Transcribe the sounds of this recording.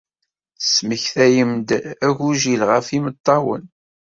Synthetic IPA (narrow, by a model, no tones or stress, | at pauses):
sməçθæjəmd̪æʝʷuʒilʁəfimət̪ˤːɑwə̰n